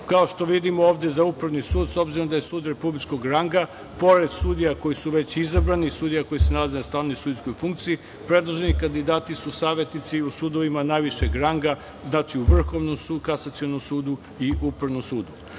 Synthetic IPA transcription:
kao̞ʃt̪o̞ʋid̪imooːʋd̪e̞zaupɾaʋnisuːd̪so̞bziɾomd̪ajesuːd̪ɾe̞publit͡ʃko̞ɡɾaŋɡa | po̞ɾe̞d̪suːd̪ijako̞jisuʋe̞t͡ɕizabɾanisuːd̪ijako̞jisenalazenast̪aːʋnojsuːd̪iskojfuŋk̚t̪sii | pɾe̞d̪lˠoʒenikand̪id̪aːt̪isusaːʋje̞t̪nit̪siusuːd̪oʋimanajʋiʃeɡɾaŋɡa | znaːt͡ʃiuʋr̩xo̞ʋnomsukasat̪sio̞nomsuːd̪u | iʔupɾaʋnomsuːd̪u

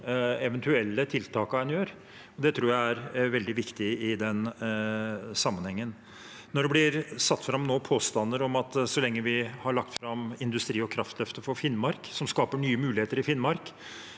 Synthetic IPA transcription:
ɛʋɛnt̪ʉɛlːət̪ʰɪlt̪ʰɑːkɑɛnjøːɾ | ɔd̪ɛt̪ʰɾuːɾjæɪæɾʋɛld̪ɪʋɪkt̪ɪɪd̪ɛn | sɑmːənhɛŋːən | nɔɖɛblɪɾsɑt̪ːfɾɑmnoːpʰoːst̪ɑnːəɾɔmɑt̪sɔlɛŋːəʋɪhɑɭɑk̚t̪fɾɑmɪnd̪ʉst̪ɾiːɔkʰɾɑft̪lœft̪əfɔɾfɪnmɑɾksɔmskɑːpəɳyːəmʉːlɪheːt̪əɾɪfɪnːmɑɾk

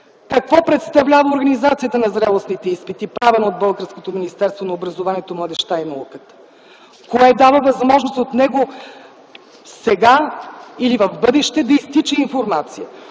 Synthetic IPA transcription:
kɐkvɔpɾɛt̪st̪ɐvlʲavəoɾɡɐnizat̪sijət̪ənɐzɾɛlˠosnit̪ɛispit̪ipɾavɛnood̪̚bɤlˠɡəɾskot̪ominist̪ɛɾst̪vonɐobɾɐzovaniɛt̪omlˠɐd̪ɛʃt̪ainɐukət̪ə̥ | koɛd̪avəvɐzmɔʒnost̪ot̪nɛɡo | sɛɡailivɐvbɤd̪ɛʃt̪ɛd̪ɐist̪it͡ʃɛiɱfoɾmat̪sijə

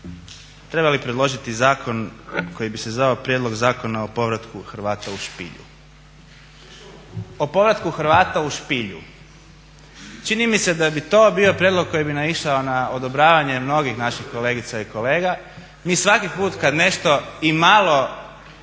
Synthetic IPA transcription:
t̪ɾe̞balipɾe̞d̪lo̞ʒit̪izaːkʰo̞nko̞jibisezʋaopɾjed̪lo̞ɡzaːkonaopo̞ʋɾat̪kuxɾʋaːt̪auʃpḭʎṵ | opo̞ʋɾat̪kuxɾ̩ʋaːt̪auʃpiʎṵ | t͡ʃinimise̞d̪abit̪o̞ːbio̞pɾjed̪lˠoɡ̚kːo̞jibinamiʃao̞naod̪o̞bɾaːʋaɲe̞mno̞ɡixnaʃixko̞le̞ɡit̪saiko̞le̞ːɡa | miːsʋakipuːt̪kad̪ne̞ʃt̪o̞imalˠo̞

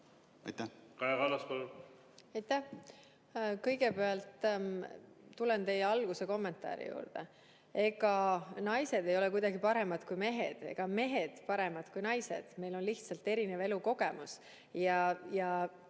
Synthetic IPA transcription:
ɑ̰jt̪ːækɑjɑkɑlːɑskolu | ɑjt̪ːæh | kɤ̞jɡ̥e̞peɑlt̪ˑː | t̪ːule̞nt̪e̞jeɑlɡ̥use̞ko̞mːe̞nt̪ˑɑ̰ːɾḭjṵːɾd̪̥e | e̞ɡ̥ɑnɑjse̞d̪̥e̞jo̞lɛkujd̪̥ɑɡipɑɾe̞mɑd̪̥kujme̞ɦḛd̪̥e̞̰ɡ̥ɑme̞ɦed̪̥pɑɾe̞mɑd̪̥kujnɑjse̞̰d̪̥me̞jlo̞nliht̪sɑlt̪ːe̞ɾineve̞luko̞ɡ̥e̞mus | jɑjɑ

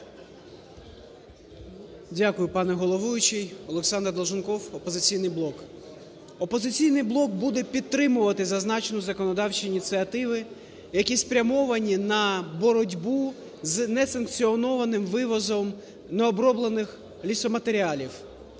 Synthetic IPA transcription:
dʲakʊjʊpɑnɛɦɔlˠɔʋujʊt͡ʃɪjɔlˠeksɑnd̪rd̪ˠʒʊnkɔwɔpɔzɪt͡sʲijnɪjblˠɔk | ɔpɔzɪt͡sʲijnɪjblˠɔk̚bud̪ɛpʲid̪̚t̪ːɾɪmʊʋɐt̪ɪzɐznɑt͡ʃenʊzɐkɔnɔd̪ɑwt͡ʃiːnʲit̪sɨɐt̪ɪʋɪ | jɐkʲispɾʲɐmɔʋɐnʲinɐbɔɾɔdʲbu | znɛsɐnkt͡sʲiɔnɔʋɐnɪmʋɪʋɔzɔm | nɛɔbɾɔblˠenɪx | lʲisɔmɐt̪eɾʲiɑlʲiw

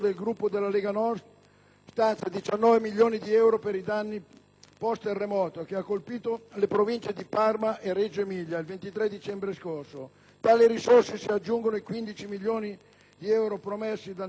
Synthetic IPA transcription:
d̪elɡɾupːod̪elːaleːɡanɔrt̪ | st̪ant̪sad̪it͡ʃanːɔːvemiljoːnid̪iɛwɾopeɾid̪anːi | pɔst̪erːemɔːt̪ok̟eakːolpiːt̪olepɾovint͡ʃed̪iparmaʔered͡ʒoemiʎːailvent̪it̪ɾɛd̪it͡ʃɛmbɾeskorso | t̪aːliɾisorsesiad͡ʒːuŋɡonoikwind̪it͡ʃimiljoːni | d̪iɛwɾopɾomesːid̪a

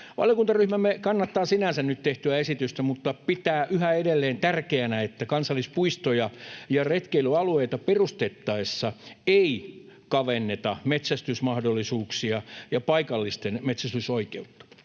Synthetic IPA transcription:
ʋɑ̰ljokunt̪ɑryhmæmːekɑnːɑt̪ːɑːsinænsænnyt̪t̪eht̪yæesit̪yst̪æmut̪ːɑpit̪æːʔyhæedelːeːnt̪ærkeænæet̪ːækɑnsɑlːˑispuist̪ojɑjɑret̪keilyɑlueit̪ɑperust̪et̪ːɑesːɑei | kɑʋenːet̪ɑmet̪sæst̪ysmɑhdolːisuːksiɑjɑpɑikɑlːist̪enmet̪sæst̪ysoikeut̪ːɑ̥

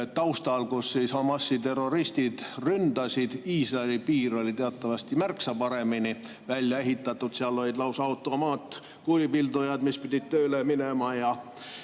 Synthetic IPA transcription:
t̪ːɑwst̪ɑlkusːiːshɑmɑsːit̪e̞ro̞ɾist̪id̪̥rynd̪̥ɑsid̪iːsrɑelipiːɾo̞lʲit̪eɑt̪ːˑɑvɑst̪imærksɑpɑɾe̞mini | vælʲjɑe̞ɦit̪ːˑɑt̪ːˑud̪̥siɑlːolʲid̪lɑwsɑut̪ːˑomɑːt̪ | kulipild̪ujɑd̪̥mispid̪ʲid̪̥̚t̪øːleminemɑjɑ

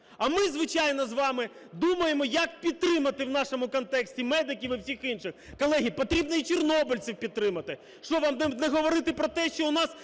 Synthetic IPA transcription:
ɐmɪzʋɪt͡ʃɑjn̪ɔzʋɑmɪ | d̪umɐjemɔjɐkpʲid̪̚t̪ɾɪmɐt̪ɪwnɑʃɔmʊkɔnt̪ɛksʲtʲimɛd̪ɪkʲiwiwsʲixinʃɪxkɔlˠɛɦijpɔt̪ɾʲib̚nɔit͡ʃɔrnɔbʊlʲt͡sʲiwpʲid̪̚t̪ɾɪmɐt̪ɪ | ʃt͡ʃɔʋɑmnɛɦɔʋɔɾɪt̪ɪpɾɔt̪ɛʃt͡ʃɔʊnɑs

